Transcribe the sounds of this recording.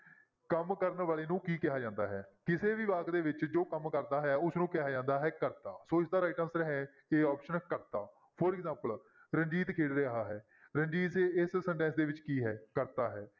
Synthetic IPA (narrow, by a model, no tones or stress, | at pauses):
kəmkəɾnʋaːleːnũːkiːkɪɦaːd͡ʒãːnd̪a̰ːɦɛːkɪseːʋiːʋaːɡd̪eːʋɪt͡ʃd͡ʒoːkəmkəɾd̪aːɦɛːʊsnũːkɪɦaːd͡ʒãːnd̪aːɦɛːkəɾt̪aːsoːɪsd̪aːɾaːɪʈənsɾɦɛː | eːɔːpʃənkəɾt̪aː | pʰoɾɪkzãːmpəl | ɾə̃ɲd͡ʒiːt̪kʰeːɽɾeɦaːɦɛː | ɾəɲd͡ʒiːseːɪssə̃ɳʈɛ̃ːnsd̪eːʋɪt͡ʃkiːɦɛːkəɾt̪aːɦɛː